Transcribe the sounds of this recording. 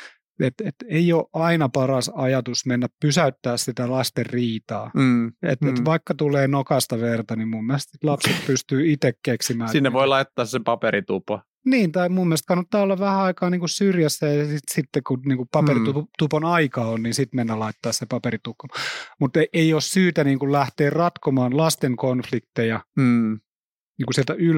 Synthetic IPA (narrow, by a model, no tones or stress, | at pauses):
et̪et̪eioʔʔɑinɑpɑrɑsɑjɑt̪usmenːæppysæyt̪ːæːssit̪ælɑst̪erriːt̪ɑːḛt̪et̪ʋɑikːɑt̪uleːnokɑst̪ɑʋert̪ɑnimmumːiælest̪sit̪lɑpset̪̚pyst̪yːit̪ekkeksimæːinːeʋoilɑit̪ːɑːssepɑpeɾit̪upo | niːnt̪ɑimumːilst̪̚kɑnːɑt̪ːɑːolːɑʋʋæhæɑikɑːniːŋkussyrjæsːæjɑɑsit̪sit̪ːekuniːŋkupɑperit̪ut̪uponɑikɑːonniːnsit̪menːælɑit̪ːɑːssepɑpeɾit̪ukːomut̪eʔeioːssyːt̪æniːŋkullæht̪eːrrɑt̪komɑːnlɑst̪eŋkonflikt̪ejɑ | niːŋkusieælt̪æyl